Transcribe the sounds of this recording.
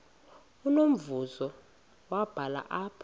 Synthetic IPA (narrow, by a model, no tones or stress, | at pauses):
unom̩vuzɔ | wab̥ʱala̰ʔapʰɔ